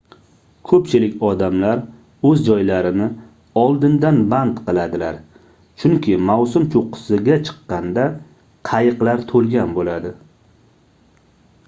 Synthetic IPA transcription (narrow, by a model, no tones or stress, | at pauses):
kʰɵpt͡ʃʰɪlɪkʲɒd̪amlaɾ | ɵzd͡ʒɒjlaɾɪnɪ | ɒlˠd̪ɪnd̪anbant̪qɨlˠad̪ɪlaɾ | t͡ʃʰʊŋkʲʰɪmawsʊmt͡ʃʰoqʊ̥sɪɡʲat͡ʃʰɨ̥qːɑnd̪a | qʰɑjɨqlaɾt̪ʰolɡʲanbolad̪ɪ